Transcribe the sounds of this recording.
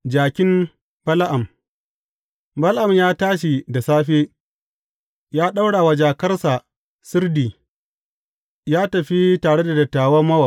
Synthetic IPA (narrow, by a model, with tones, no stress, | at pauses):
d͡ʒaː˨kʲɪ˦m | b̥ɐ˦lʔa˨m | bɐ˦lʔa˨mjaː˦taː˦ʃ̬i˨da˨saː˦ɸeː˦ | jaː˦ɗa˦wɽaː˨wa˨d͡ʒaː˨kɐ˦rsa˨ | sʊ˦rdiː˨ | jaː˦tɐ˨ɸi˦taː˨ɽe˦da˨dɐ˨tːaː˨wɐ˦mɐ˦wa˨